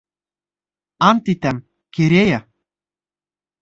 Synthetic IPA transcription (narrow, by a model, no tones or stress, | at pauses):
ɑnt̪it̪æm | keɾʲejæ